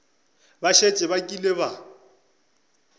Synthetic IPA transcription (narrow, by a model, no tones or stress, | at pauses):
baʃet͡ʃʼɛβakʼileβa